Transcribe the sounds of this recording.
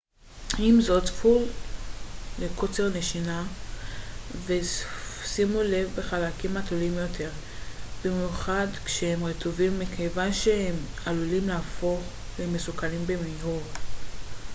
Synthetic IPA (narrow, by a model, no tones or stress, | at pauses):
imzo̞tful | lekot͡seʁne̞ʃina | vesimule̞vbe̞χalakimatulimjo̞tʰe̞ʁ | bimjuχadkʃehemʁetʰovimːikʰejvanʃehem | alulimlaafo̞χ | lemesukalimbe̞miɦuʁ